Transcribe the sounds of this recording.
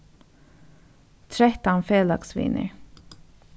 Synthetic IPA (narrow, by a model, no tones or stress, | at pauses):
t̪ʰɾɛt̪ɑnfeːlɑ̰ɡsʋɪ̰nə̰ɹ